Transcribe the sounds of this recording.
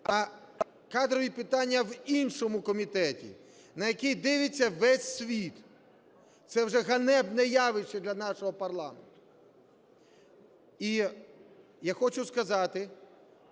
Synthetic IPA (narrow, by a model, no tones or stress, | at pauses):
ɐ | kɑd̪ɾɔʋʲipɪt̪ɑnʲːɐʋinʃɔmʊkɔmʲit̪ɛtʲḭ | nɐjɐkijd̪ɪʋɪt͡sʲːɐʋɛsʲːʋʲit̪ | t̪sɛwʒɛɦɐnɛbnɛjɑʋɪt͡ʃːɪd̪lʲɐnɑʃɔɦɔpɐrlˠɑment̪ʊ̥ | i | jaxɔt͡ʃʊskɐzɑt̪ɪ